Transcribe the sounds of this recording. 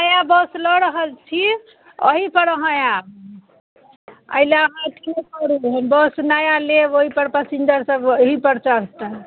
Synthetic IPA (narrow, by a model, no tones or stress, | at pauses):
nəjabəslɔɾəɦəlt͡ʃʰi | ə̰ɦipəɾəɦə̃jab̚ | ə̰jlaɦãt̪ʰekɔɾiɦbəsnajaleoɦipəɾpasind͡ʒəɾsəboɦipəɾt͡ʃaɦt̪ə